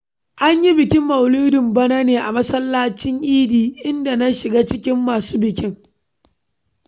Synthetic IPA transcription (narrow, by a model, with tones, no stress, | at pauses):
ʔa˦ɲji˦bɪ˨kʲɪ˦mːɐ˨wliː˦dɪ˨mbɐ˦naː˦neː˨ʔa˨mɐ˦sɐ˦lːaː˦t͡ʃɪ˦ŋʔiː˦diː˨ʔɪ˦nda˨nɐ˦ʃɪ˨ɡaː˦t͡ʃɪ˦kʲɪ˦mːaː˨suː˦bɪ˨kʲɪ˦ŋ